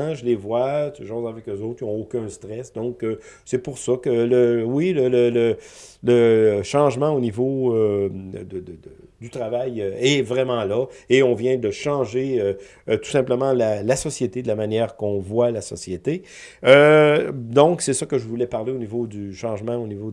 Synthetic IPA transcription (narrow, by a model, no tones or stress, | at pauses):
ʒəlevwasʒɑ̃zɛ̃avɛkøzoʊt̪χɔ̃okʲœ̃st̪ʁɛsd̪ɔ̃kə | sɛpuʁsʌkələwilələlələʃɑ̃ːʒmɑ̃onivoød̪əd̪əd̪ə | d̪yt̪ʁavajøɛvʁɛmɑ̃lɔeɔ̃vjɛ̃d̪əʃɑ̃ʒeø | t̪u̥sɛ̃pləmɑ̃lalasɔsjet̪ed̪əlamanjɛːʁkɔ̃vwalasɔsjet̪e | ø | d̪ɔ̃ksɛsɔkəʒəvulɛpaʁleonivod̪yʃɑ̃ːʒmɑ̃onivo